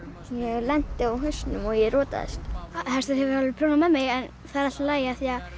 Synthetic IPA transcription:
jɛɣlɛn̥t̪ɪawɦʏsnʏmɔjɛrɔːt̪a̰ðɛ̰st̪hɛst̪ʏɾhɛvʏɾvalʏpʰɾoːnamɛmɪɣɛn | θaðɛɾalt̪alaːjɪaθia

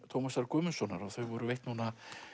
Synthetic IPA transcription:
t̪ʰowmasaɾkʏːmʏnsɔnːaɾaθœɥvɔɾʏvejht̪nuːna

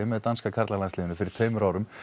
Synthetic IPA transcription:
ɪmɛðt̪anskakʰaɾt̪lalanlɪːðɪnʏfɪɾɪɾ̥t̪ʰvœɥmʏɾawɾʏm

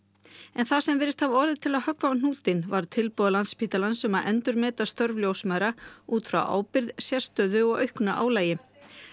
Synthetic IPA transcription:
ɛnθasɛmvɛːɾɪst̪havɔɾðɪt̪ʰɪlaðhœkvaawn̥uːt̪ɪnvaɾ̥t̪ʰɪlpuːðalant̪spʰit̪alansʏmaðʔɛnt̪ʏɾmɛːt̪ast̪œɾvljowsmaːðɾauːt̪fɾa̰wʔa̰ːwpɪɾðsjɛst̪œːðʏɔɣœɥhknaʔa̰ːwlaːjɪ

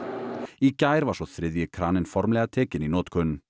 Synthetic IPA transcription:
iːkæɪɾʋɑːʃoːθɾɪðɪəkʰɾɑːnənfɔɾmleɑt̪ʰeːkɪniːnoːt̪kʰœn̩

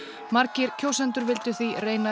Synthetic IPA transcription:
maɾcɪɾ̥cʰoːwsɛnt̪ʏɾvɪlt̪ʏθireːjna

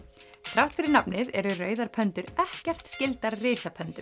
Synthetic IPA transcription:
θɾawht̪fɪɾɪɾnapnɪðɛɾʏrœːɥðaɾpʰœnt̪ʏɾɛhcɛr̥t̪scɪlt̪aɾrɪːsapʰœnt̪ʏm

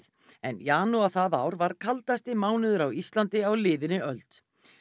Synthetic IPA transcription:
θ | ɛnjaːnuaθaðaːwɾvaɾ̥kʰalt̪ast̪ɪmaːwnɪðʏɾawist̪lant̪ɪawlɪːðɪnɪʔœlt̪

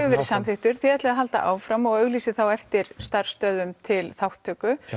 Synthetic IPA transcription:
vɪvɛːɾɪsamθɪht̪ʏɾ̥θɪɛt̪lɪaðɦalt̪a̰ʔa̰ːwfɾamɔɣœɣliːsɪθawɛft̪ɪɾ̥st̪ar̥st̪œːðʏmt̪ʰɪlθawht̪ʰːœːkʏ

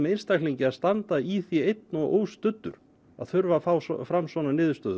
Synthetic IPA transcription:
mɛejnst̪akʰliɲcɪaðst̪ant̪aiθiejt̪̚nɔʔo̰ːwst̪ʏt̪ːʏ̰ɾ | a̰ðθʏɾvafaːwsfɾamsvɔːnanɪːðʏst̪œːð

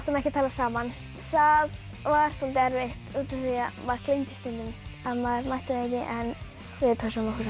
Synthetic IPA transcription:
ht̪ʏmɛhcɪt̪ʰaːlasaːman | θað | vaɾ̥t̪ɔlt̪ɛɾveht̪uːt̪ʏθijamaɾkʰlejnt̪ɪ̥st̪int̪ʏmaðmaɾmaht̪ɪðɛːcɪʔɛn | vɪðpʰɛsunak

